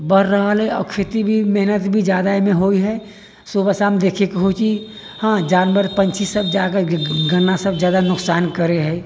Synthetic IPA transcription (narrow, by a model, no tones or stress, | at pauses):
bəɾɾəɦəlɦɛɔ̰kʰet̪ibʱimɛɦnət̪bʱid͡ʒjaːd̪amẽɦoiɦɛ | sobəsamd̪eːkʰekeɦot͡ʃi | hãd͡ʒaːnbəɾpənt͡ʃʰisəbd͡ʒakəɡənːasəbd͡ʒjaːd̪anʊksaːnkəɾeɦɛ